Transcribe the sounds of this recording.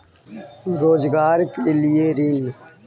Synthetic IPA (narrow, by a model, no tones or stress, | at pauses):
ɾoːzɡaːɾkɪlijeːɾin